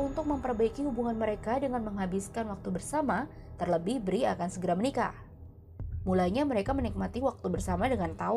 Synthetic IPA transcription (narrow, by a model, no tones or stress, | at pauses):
unt̪ʊk̚məmpərbaikiɦubuŋanməɾekadəŋanməŋɦabɪskanwak̚t̪ubərsama | t̪ərləbɪhbəɾiakansəɡəɾamənika̰ | mulaɲaməɾekamənik̚mat̪iwak̚t̪ubərsamadəŋant̪aʊ